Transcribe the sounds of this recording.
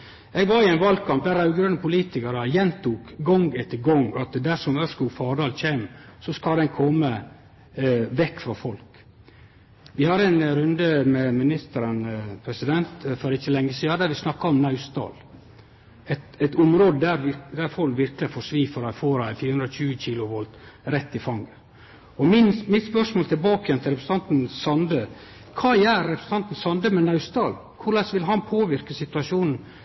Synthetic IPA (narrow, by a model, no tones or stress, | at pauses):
ɛɡʋɑɾɪɛnʋɑlɡkʰɑmp̚d̪æɾɑʉɡɾənəpʊliːt̪ɪkɑɾəjɛnt̪ʰuːkɡɔŋɡɛt̪ʰːəɡɔŋɑt̪d̪æʂɔmœskufɑːɖɑːlc͡çeːmsɔskɑld̪ɛnkʰɔmːə | ʋɛkːfɾɑfɔlk | ʋɪhɑɾɛnɾʉnd̪əmɛmɪnɪst̪əɾənpʰɾɛsɪd̪ɛnt̪fɔɾd̪ɛɪçːəlɛŋːəsiːɑd̪æɾʋɪsnɑkːɑɔmnɑʉst̪ɑ̰ːl | ɛt̪ɛt̪ʊmɾoːd̪əd̪æɾʋɪd̪æɾfɔlʋɪɾklɪfɔʂʋiːfəɾfoːɾɑɪfiːɾʉnɾɔçʉːəçiːlʊʋɔlt̪ɾɛt̪ːɪfɑŋːə | ɔmɪnmɪt̪spœʂmoːlt̪ʰɪlbɑːkəjɛnt̪ʰɪlɾɛpɾsn̩t̪ɑnt̪n̩sɑnd̪ə | kʰɑːjæːɾːɛpɾəsən̩ʰɑnt̪n̩sɑnd̪əmɛnɑʉst̪ɑːl | kʰʊɾɭɛsʋɪlɦɑnpʰoːʋɪɾkəsɪt̪ʉɑʂuːnn̩